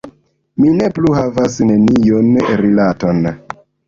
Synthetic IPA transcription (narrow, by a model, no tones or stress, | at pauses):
mine̞pluhavasne̞nijonɾilato̞n